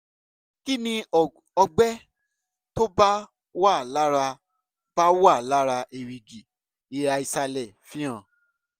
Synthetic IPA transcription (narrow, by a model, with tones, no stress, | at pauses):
ki˦nĩ˧ | ɔ˧ɡ͡bɛ˦ | to˦ba˦ | wa˦˨la˦ɾa˧ | b̥a˦wa˦˨la˦ɾa˧ʔe˨ɾi˨ɡi˨ | i˨ɾa˧i˧sa˧lɛ˨fĩ˦ã˦˨